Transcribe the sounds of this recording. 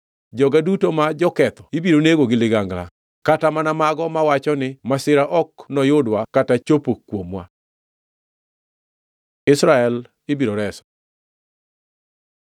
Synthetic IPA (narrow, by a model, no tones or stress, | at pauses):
d͡ʒɔɡadutomad͡ʒɔkɛt̪ɔ̥ibiɾoneɡoɡɪlɪɡaŋɡla̰ | katamanamaɡɔmawat͡ʃɔnɪmasɪɾaʔɔknɔjodwakatat͡ʃopokwomwa̰ | ɪsɾaɛl | ɪbiɾoɾɛsɔ̥